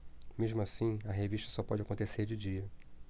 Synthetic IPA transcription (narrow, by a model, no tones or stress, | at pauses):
meʒmʊasĩɐɦeviʃt̪ɐ̥sɔpɔd͡ʒɪakõnt̪eseɾd͡ʒɪd͡ʒiɐ